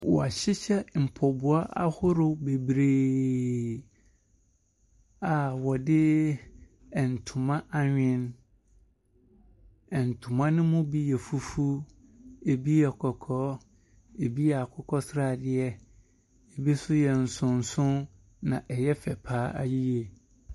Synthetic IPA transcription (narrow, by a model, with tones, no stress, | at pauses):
wɔ̰˨a˨ɕɪ˦ɕɛ˦m̩˨pʰɔ˨bʊ˨a˦ʔa˦hʊ˦ɾʊ˨be˨bɾeː˨ | a˨wɔ˨dɪ˦ | ɛ˨n̩˨tʰʊ̃˨mã˦ʔa˦ɲᶣɪ̃˦n | ɛ˨n̩˨tʰʊ̃˨mã˦nʊ̃˦mʊ̃˦bi˦jɛ˨fu˦fu˦ | e˨bi˦ɛ˨kʰɔ˨kʰɔː˦ | e˨bi˦jɛ˨a˨kʰɔ˦kʰɔ˦sɾa˦˨dɪ˨ɛ˦ | ɛ˨bi˦sʊ˦jɛ˨n̩˨sʊ̃˨n˨sʊ̃˦n | nã˨ʔɛ˨jɛ˦fɛ˨pʰaː˨˦a̰˦ji˦je˨